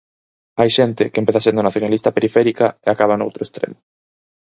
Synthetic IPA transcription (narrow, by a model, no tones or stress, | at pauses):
ajʃɛnt̪ɪkempeθasend̪ʊnaθjonalist̪ɐpeɾifɛɾikaeakaβano̰wt̪ɾoest̪ɾḛmʊ